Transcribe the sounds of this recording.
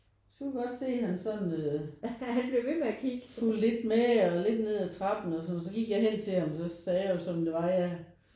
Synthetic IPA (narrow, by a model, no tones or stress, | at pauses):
sɡ̥kuɡ̥ɒ̽d̥se̝̰ːhænsɒ̽nøhænb̥le̝ʋe̝meækʰiɡ̥fulle̝d̥meɒle̝d̥ne̝ð̞̰ˠæt͡sʰʁɑ̈b̥n̩ɒsɒ̽nɒs̬ɒ̽ɡ̥iɡ̥jɑ̈ɪɦen̰t͡sʰe̝hɑ̈msɒ̽sɛːjosɒ̽md̥e̝ʋɑ̈jæ